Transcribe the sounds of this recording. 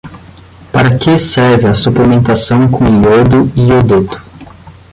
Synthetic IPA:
paɾɐkʰesɛɾvɪɐsuplemẽnt̪asɐ̃w̃kʰõiod̪ʊiod̪et̪ʊ̥

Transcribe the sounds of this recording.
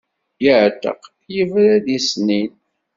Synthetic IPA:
jəʕt̪ə̰q | jəvɾæðisnin

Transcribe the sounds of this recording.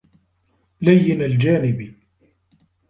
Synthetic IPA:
lajːɪnald͡ʒaːnɪbi

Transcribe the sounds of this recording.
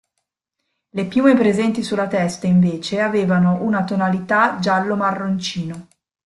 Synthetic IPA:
lepjuːmepɾezɛnt̪isulːat̪ɛst̪aiɱveːt͡ʃeaveːvanoʔunat̪onalit̪ad͡ʒalːomarːont͡ʃiːno

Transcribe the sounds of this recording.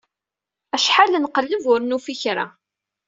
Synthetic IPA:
æʃħalːənqəlːəvʊɾnufiçɾa̰

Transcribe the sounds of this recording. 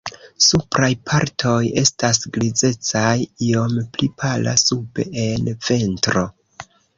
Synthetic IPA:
supɾajpʰaɾtʰo̞je̞stas̬ɡlid͡ze̞t͡sajio̞mplipʰala̰sube̞̰ʔenve̞ntɾo̞

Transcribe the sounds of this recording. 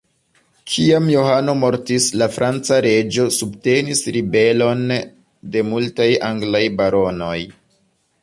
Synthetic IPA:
kʰiamjo̞ɦano̞mo̞ɾtislafɾʔant͡saɾe̞d͡ʒo̞subte̞nisɾibe̞lo̞n | de̞multajaŋɡlajbaɾo̞no̞j

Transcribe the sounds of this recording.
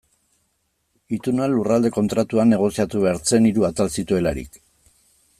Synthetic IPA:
it̪unualurald̪e̞ko̞nt̪ɾat̪uane̞ɣ̞o̞siat̪uβe̞aɾt͡se̞niɾuat̪alsit̪ue̞laɾḭk

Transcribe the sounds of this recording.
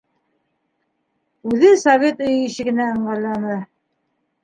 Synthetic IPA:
ʉðɘsɐvʲe̞t̪ɵ̆jĭɕɘ̆ɡɘ̆næɤ̆ɴɢɑlˠɑnɤ

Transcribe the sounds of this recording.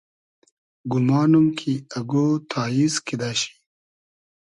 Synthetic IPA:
ɡumaːnumkʰiɐɡoːt̪ʰaːjiskid̪aːɕi̥

